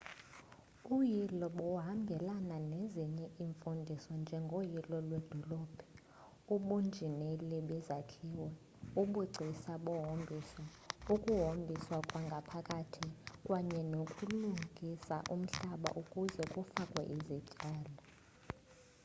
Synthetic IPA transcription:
ujilɔɓɔɦamɡʱɛlananeziɲɛʔiɱfundʱisɔnd͡ʒʱɛŋɡʱojilɔlwɛd̥ʱɔlɔːb̥ʱɛ | uɓund͡ʒʱinɛlɛɓɛzakʰiwɛ | uɓuǀʱisaɓɔɦombʱiswa | ukʼuɦombʱiswakʼwaŋɡʱapʰakʼatʰikʼwaɲɛnokʼuluŋɡʱisa̰ʔum̩ɬaɓa̰ʔukʼuzɛkʼufakʼwɛ̰ʔizit͡ʃʼaːla

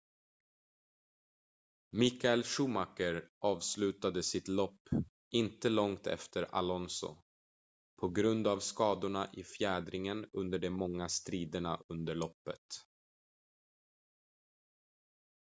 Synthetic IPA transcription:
mɪkaɛlʂuːmakəɾʔɑːvslʉ̟ːt̪ad̪əsɪt̪lɔpː | ʔɪnt̪əlɔŋt̪ʰɛ̰ft̪ʰəɾa̰lɔnsʊ̰ | pʰɔɡɾɵnd̪avskɑːd̪ʊɳaʔɪfjæːd̪ɾɪŋənɵnd̪əɖɛmɔŋːast̪ɾiːd̪əɳa̰ɵnd̪əɭɔpːə̰t̪

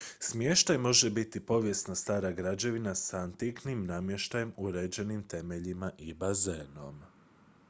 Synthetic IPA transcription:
smje̞ʃt̪ajmo̞ʒe̞bit̪ipo̞ʋje̞snast̪aːɾaɡɾad͡ʑe̞ʋinasant̪iknimnamje̞ʃt̪aje̞muɾe̞ːd͡ʑe̞nimt̪e̞me̞ʎimaʔibazeːno̞̰m

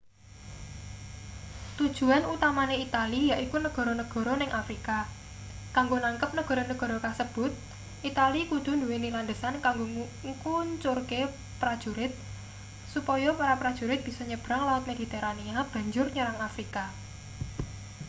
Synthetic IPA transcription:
t̪ud̥ʒ̥ṳanut̪amaneit̪alijaʔikunəɡ̥ɔ̤ɾɔnəɡ̥ɔ̤ɾɔnɪŋʔafɾika | kaŋɡonaŋkəp̚nəɡ̥ɔ̤ɾɔnəɡ̥ɔ̤ɾɔkasəb̥ʊt̪̚ | ʔit̪alikud̪̥ṳnd̪uweniland̪əsankaŋɡo | ŋkuɲt͡ʃʊrke | pɾad̥ʒ̥uɾɪt̪̚ | supɔjɔpaɾapɾad̥ʒ̥ṳɾɪt̪̚b̥i̤sɔɲəb̥ɾaŋlaʊt̪̚med̥̪i̤t̪ɛɾaniab̥ä̤ɲd͡ʒʊrɲəɾaŋafɾika

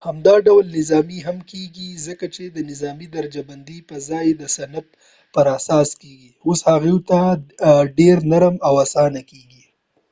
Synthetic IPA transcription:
hamd̪ɑɖawlnɪzɑmiɦamkeɡizəkat͡ʃed̪ənɪzɑmid̪aɾad͡ʒaband̪ipəzɑjd̪əsanap̚ | pəɾasɑskeɡioshaɣewt̪a | ɖeɾnaɾəmawasɑnakeɡi

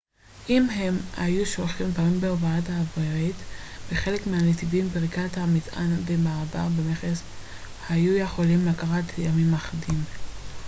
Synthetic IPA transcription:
ʔimɦemha̰juʃolχimvamimbeovaathaːvoaitbeχe̞le̞kmeanet̪ivimbeʁikathamita̰ndemaːbaʁbemeχes | hajujeχolimlakaʁatjamimaχadim

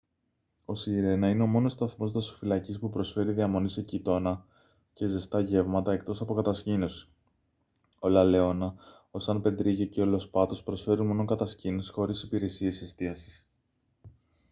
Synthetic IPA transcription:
o̞siɾe̞nɐineo̞mo̞no̞st̪ɐθmo̞zðɐso̥filɐcispupɾo̞sfe̞ɾiðiɐmo̞nisecit̪o̞nɐ | ce̞zest̪ɐʝe̞vmɐt̪ɐe̞k̚t̪o̞sɐpo̞kɐt̪ɐscino̞si̥ | o̞lɐle̞o̞nɐ | o̞sɐnpe̞nd̪ɾiʝeceo̞lo̞spɐt̪o̞spɾo̞sfe̞ɾunmo̞no̞kɐt̪ɐscino̞si̥xo̞ɾisipiɾe̞sie̞sist̪iɐsi̥s

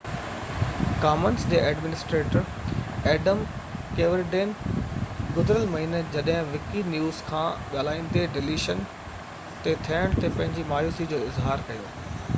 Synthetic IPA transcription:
kaːmənsd͡ʑeːʔɛːɖmɪnɪsʈɾeːʈəɾ | ɛːɖəm | keːʋəɾɖeːn | ɡʊzɪɾəlmɐɦiːned͡ʑɐɗɦɪ̃ʋɪkinjuːz̥kʰãːɠaːlaːĩːn̆d̪eɖɪliːʃən | t̪et̪ʰiəɽ̃t̪epɐ̃ɦɪ̃ɲd͡ʑimaːjuːsid͡ʑoːɪzɦaːɾkɐjoː

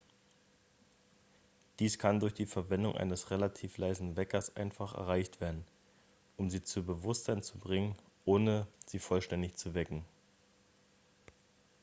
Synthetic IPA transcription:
d̥iːskʰandʊɐçd̥iːfɛɐvɛndʊ̰ŋʔa̰ɪnəsʁelatʰiːflaɪzn̩vɛkɐsʔa̰ɪnfaχɛ̰ɐʁaɪçtv̥eːɐdn̩ | ʔʊmziːt͡subəvʊstz̥aɪnt͡subʁɪŋən | ʔoːnəz̥iːfɔlʃtɛndɪçt͡suvɛkŋ̩

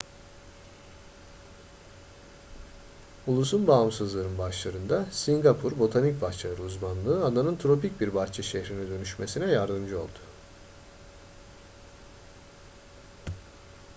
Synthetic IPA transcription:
ulˠus̬unbaːmsɯzlˠaɾɯnbaʃlˠaɾɯnd̪asiŋɡapʰuɾbo̞t̪ʰanic̚baxt͡ʃ̪ʰˠaɾɯuzmanlˠɯːad̪anɯnt̪ʰɾo̞pic̚biɾbaxt͡ʃʰɛʃeçɾinid̪ø̞nyʃme̞sinɛjaɾd̪ɯmd͡ʒɯo̞lˠd̪̥ʊ

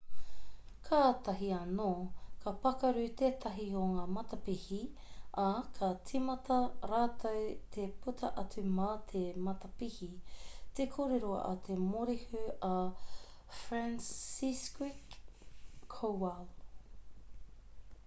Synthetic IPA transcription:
kʰaːt̪ɐɦiɐnoːkʰɐpɐkɐɾʉt̪eːt̪ʰɐɦioŋaːmɐt̪ɐpihiɐkʰɐt͡simɐtɐɾaːt̪ʰɐwt̪ʰeputʰɐʔɐt͡sʉmat̪ʰemɐt̪ɐpihit̪ekʰoːɾeɾoʔɐ̰t̪ʰemoɾihʉɐ | fɾansiskwikʰː | owal

